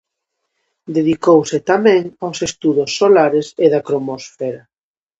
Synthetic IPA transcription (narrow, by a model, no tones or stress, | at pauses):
d̪eðikowsɪt̪amɛ̃ŋawsest̪uðʊsːolaɾeseðakɾomosfeɾa